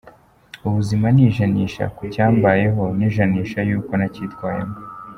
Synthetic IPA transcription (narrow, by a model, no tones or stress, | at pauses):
uβuzimaniːʒaniːʃa̰kucaːmbaje̞ɦo̞niːʒaniːʃajuːko̞naciːtkwaːjḛmo